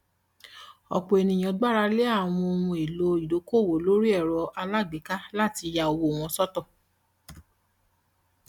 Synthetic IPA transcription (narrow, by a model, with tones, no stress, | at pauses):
ɔ̰˨k͡po˨e˨nĩ˨j̃ã˨ɡ͡ba˦ɾa˧le˦a˦˨w̃ɔ̃˧o˧wũ˧e˨lo˧˦i˨do˨˦ko˦˨wo˨lo˨˦ɾi˦ɛ˦˨ɾɔ˧ʔa˧la˦˨ɡ͡be˨˦ka˦la˦˨ti˧ja˧o˨wo˨w̃ɔ̃˧sɔ˦tɔ˦˨